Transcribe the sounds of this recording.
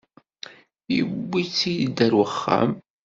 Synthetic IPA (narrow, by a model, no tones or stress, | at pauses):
jiwːit͡sːijd̪æɾwəχːa̰m